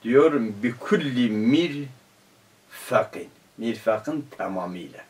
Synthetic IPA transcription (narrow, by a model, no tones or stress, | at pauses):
d̪joɾmbikʰulːimiɾ | faqin | miɾfaqint̪ʰamamḭla̰